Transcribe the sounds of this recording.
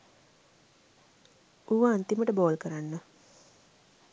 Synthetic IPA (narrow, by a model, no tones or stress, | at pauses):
uʋaːnt̪iməʈəboːlkəɾanːə